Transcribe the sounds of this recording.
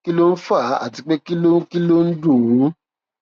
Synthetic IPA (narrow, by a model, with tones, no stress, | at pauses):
ki˦lo˦n̩˦fa˦˨˦a̰˦˨ti˨˧k͡pe˦ki˦lo˦ki˦lo˦n̩˦du˦˨˦